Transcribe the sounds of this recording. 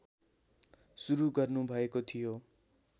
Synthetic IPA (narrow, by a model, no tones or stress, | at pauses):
suɾuɡʌrnubʱʌekot̪ʰijo